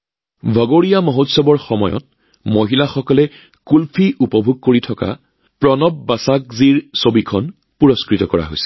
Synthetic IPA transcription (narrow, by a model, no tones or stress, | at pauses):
bʱɔɡoɹijamoɦotsɔbɔɹxɔmɔjɔ̰t̚ | moɦilaxɔkɔlɛ | kulpʰiʔupɔbʱuɡ̚koɹitʰɔka̰ | pɹɔnɔbːasak̚ziɹsobikʰɔn | puɹɔskɹitɔkɔɹa̰ɦojsɛ̥